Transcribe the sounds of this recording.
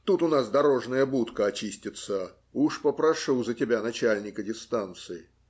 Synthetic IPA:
t̪ut̪ʊnasd̪ɐɾo̞ʐnəjəbut̪kəɐt͡ɕisʲtʲɪt̪sə | uʂpəpɾɐʂuzətʲɪbʲanɐt͡ɕælʲnʲɪkədʲɪst̪ant̪sɨɪ

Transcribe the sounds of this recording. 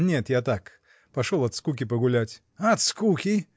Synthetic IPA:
nʲet̪jat̪ak | pɐʂolˠɐt̪skukʲɪpəɡʊlʲætʲ | ɐt̪skukʲɪ

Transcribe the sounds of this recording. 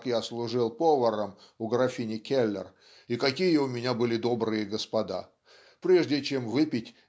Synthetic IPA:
kjaslˠʊʐɨlˠpovəɾəmʊɡɾɐfʲinʲɪkʲelʲːɪ̰r | ikɐkʲijəʊmʲɪnʲabɨlʲɪd̪o̞bɾɨjəɡəspɐd̪a̰ | pɾʲe̞ʐdʲɪt͡ɕemvɨpʲɪtʲ

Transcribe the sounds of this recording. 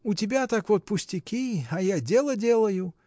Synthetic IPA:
ʊtʲɪbʲat̪akvot̪̚pʊsʲtʲɪkʲiajadʲelˠədʲelˠəjʊ

